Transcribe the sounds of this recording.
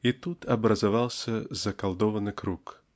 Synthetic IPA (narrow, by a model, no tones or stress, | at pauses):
it̪ut̪ʰɐbɾɐzavalˠsʲɐzɐkalˠd̪ɔvɐnɨkɾuk